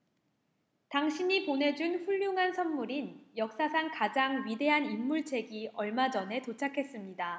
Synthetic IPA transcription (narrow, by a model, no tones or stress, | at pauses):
taŋɕʰiɲipone̞d͡ʑunɸuʎːuŋɦansʰʌnmuɾinjʌk̚s͈asʰankad͡ʑaŋɥide̞ɦanimːuɭt͡ɕʰe̞ɡiʌɭmad͡ʑʌne̞tot͡ɕʰakʰe̞s͈ɯmɲida